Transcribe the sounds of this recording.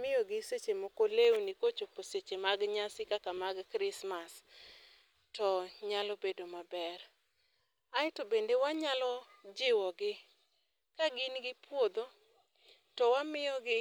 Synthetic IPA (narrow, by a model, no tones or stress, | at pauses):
mɪjɔɡɪset͡ʃemokolewunikot͡ʃoposet͡ʃemaɡɲasɪkakamaɡkɾɪsmas | tɔɲalɔbedomabɛr | aɪtobendewaɲalɔ | d͡ʒɪwɔɡɪ | kaɡɪnɡɪpwod̪o | tɔwamɪjɔɡɪ